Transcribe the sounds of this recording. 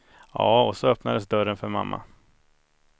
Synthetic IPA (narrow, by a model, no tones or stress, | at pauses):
jɑːɔsɔœpnad̪əsd̪œɾənfœɾma̰mːa̰